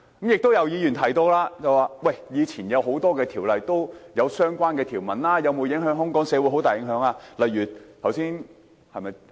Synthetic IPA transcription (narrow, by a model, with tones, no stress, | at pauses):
kɐ˨˥mjɪ˨k̚t̪o˥wjɐ˨˧wjiː˨˧jyː˨˩nt̪ʰɐ˨˩jt̪ɔː˧laː˥t͡sɐ˨˩waː˨˩wɐ˥˩jjiː˨˧t͡sʰiː˨˩njɐ˨˧wɦo˨˥wt̪ɔː˥kɛː˧t̪ʰiː˨˩wlɐ˨˧jt̪o˥wjɐ˨˧wsœː˥ŋkʷaː˥nkɛː˧t̪ʰiː˨˩wmɐ˨˩nlaː˥jɐ˨˧wmo˨˧jɪ˨˥ŋɦœː˨˥ŋɦʊ˥ŋkɔː˨˥ŋsɛː˨˧wu˨˥ɦo˨˥wt̪aː˨jɪ˨˥ŋɦœː˨˥ŋaː˧lɐ˨jɥyː˨˩t̪ʰɐ˨˩wsiː˥n | hɐ˨˧jmɐ˨j